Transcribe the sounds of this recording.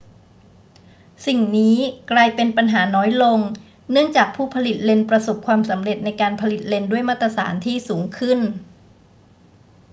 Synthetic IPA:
si˨˩ŋniː˦˥klaː˧jpe˧npa˧nɦaː˩˦nɔː˦˥jlo˧ŋ | nɯ˥˩əŋt͡ɕaː˨˩k̚pʰuː˥˩pʰa˧li˨˩t̪̚le˧npɾa˧so˨˩p̚kʰwaː˧msa˩˦mɾe˨˩t̪̚na˧jkaː˧npʰa˧li˨˩t̪̚le˧ndu˥˩əjmaː˥˩t̪ːɾa˧sa̰ː˩˦nt̪ʰiː˥˩suː˩˦ŋkʰɯ˥˩n

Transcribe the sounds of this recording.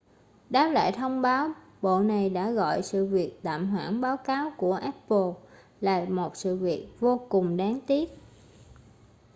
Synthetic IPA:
ɗaː˦˥p̚la̰ː˧˨jt̪ʰə˧wŋ͡mɓaː˨˦w | ɓo̰˧˨na˨˩jɗa̰ː˧˥ɣɔ̰˧˨jsɨ̰˧˨vi˨˩ək̚t̪a̰ː˧˨mɦwaː˧˩nɓaː˨˦wkaː˨˦wku˧˩əʔɛ˦˥ppo˧ | la̰ː˨˩mo˨˩t̚sɨ̰˧˨vi˨˩ək̚vo˧kʊ˨˩ŋ͡mɗaː˨˦ŋt̪i˦˥ət̚

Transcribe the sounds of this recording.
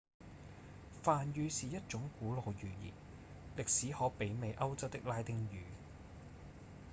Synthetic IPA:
faː˨njyː˨˧siː˨jɐ˥t̚t͡ʃʊ˨˥ŋkuː˨˥loː˨˧wjyː˨jḭː˨˩n | lɪ˨k̚siː˨˥hɔː˨˥pe˨˥jme˨jʔɐ˥wt͡sɐ˥w̚t̪ɪ˥k̚laː˥jt̪ɪ˥ŋjyː˨˥

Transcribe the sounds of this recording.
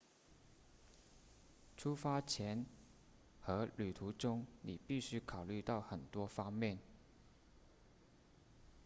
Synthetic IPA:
ʈ͡ʂʰu˥fa˥t͡ɕʰjɛ˧˥n | xɤ˧˥ly˨˩t̪ʰu˧˥ʈ͡ʂʊ˥ŋni˨˩pi˥˩ɕy˥kʰɑ˨˩ʊly˥˧t̪ɑ˥˩ʊxə˨˩nt̪wɔ˥fɑ˥ŋmjɛ˥˨n

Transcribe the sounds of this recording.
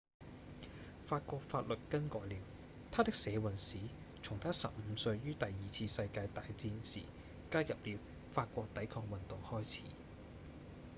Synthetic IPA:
faː˧t̚kʷɔː˧k̚faː˧t̚lɵ˨t̚kɐ˥nkɔː˨˧jliː˨˧w | t̪ʰaː˥t̪ɪ˥k̚sɛː˨˧wɐ˨˩nsiː˨˥ | t͡sʰʊ˨˩ŋt̪ʰaː˥sɐ̰˨p̚m̩˨˦sɵ˧ɥjyː˥t̪ɐ˨jːiː˨t͡sʰiː˧sɐ˧jkaː˧jt̪aː˨jt͡siː˧nsḭː˨˩ | kaː˥jɐ˨p̚li˨˧w | faː˧t̚kʷɔː˧k̚t̪ɐ˨˥jkʰɔː˧k̚wɐ˨nt̪ʊ˨ŋhɔː˥jt͡sʰḭː˨˥

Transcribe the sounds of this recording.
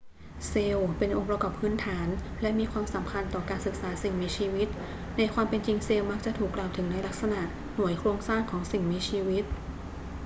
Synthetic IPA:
seː˧wpe˧nʔo˧ŋpɾa˧kɔː˨˩pʰɯː˦˥nt̪ʰaː˩˦nlɛ˦˥miː˧kʰwaː˧msa˩˦mkʰa˧nt̪ɔː˨˩kaː˧nsɯ˨˩k̚saː˩˦˥si˨˩ŋmi˦˥t͡ɕʰiː˧wi˦˥t̪̚ | na˧jkʰwaː˧mpe˧nt͡ɕi˧ŋseː˧wma˦˥k̚t͡ɕa˨˩t̪ʰuː˨˩kːlaː˨˩wt̪ʰɯ˩˦ŋna˧jla˦˥k̚sa˧na˨˩ʔ | nu˩˦əjkʰɾu˧əŋsaː˥˩ŋkʰɔː˩˦ŋsi˨˩ŋmi˧˦˥t͡ɕʰiː˧wi˦˥t̪̚

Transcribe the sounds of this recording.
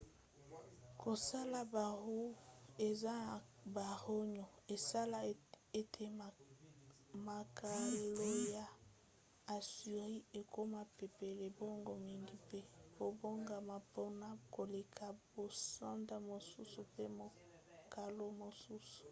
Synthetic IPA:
kʰo˨sa˦la˨ba˨ʁu˦e˨za˦ba˨ʁo˦ɲo˨e˨sa˦la˨ | e˦tʰe˨ | ma˨kʰa˨lo˦ja˨ | a˨sy˨ʁi˦e˨ko˦ma˨pe˨pe˨le˨bo˦ŋɡo˨mi˨ŋɡi˦pe˦bo˨bo˦ŋɡa˨ma˨po˦na˦ko˨le˨kʰa˨bo˨sa˦nda˨mo˨su˦su˨pe˦mo˨ | ka˨lo˦mo˨su˦su̥˨

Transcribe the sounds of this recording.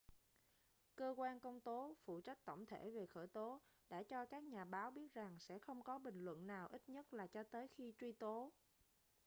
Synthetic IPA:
kəː˧kwaː˧nkə˧wŋ͡mt̪o˨˦fṵ˧˨t͡ɕa˦˥k̚t̪ə˧˩wŋ͡mt̪ʰe˧˩ve˨˩xəː˧˩jt̪o˨˦ɗa̰ː˧˥t͡ɕɔ˧kaː˦˥k̚ɲaː˨˩ɓaː˨˦wɓi˦˥ət̚za˨˩ŋsɛ̰˧˥xə˧wŋ͡mkɔ˨˦ɓï˨˩ŋ̟lwə̰˧˨nnaː˨˩wʔi˦˥t̚ɲə˦˥t̚laː˨˩t͡ɕɔ˧t̪əː˨˦jxi˧t͡ɕwi˧t̪o˨˦

